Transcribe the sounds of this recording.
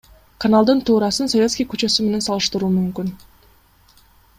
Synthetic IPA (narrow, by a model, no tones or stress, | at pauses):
kʰanalˠd̪ɯnt̪ʰuːɾɑsɯnsovʲet̪skʲijkyt͡ʃø̞syme̞ne̞nsɑlˠɯʃt̪ɯɾuːmymkyn